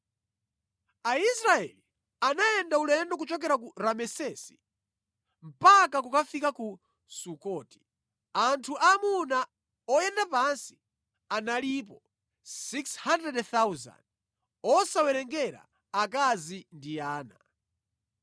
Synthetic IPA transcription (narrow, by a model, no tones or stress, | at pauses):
aisɾaɛ̰li | anajɛndaulɛndɔk̬ut͡ʃɔk̬ɛɾak̬uɾamɛsɛsi̥ | m̩pakakukafikaku | sukɔːti̥ | antʰuʔamuna | ɔjɛndapansi̥ | analipɔ | sikshandɾɛdθawza̰nd | ɔsawɛɾɛŋɡɛɾa̰ | akazindiaːna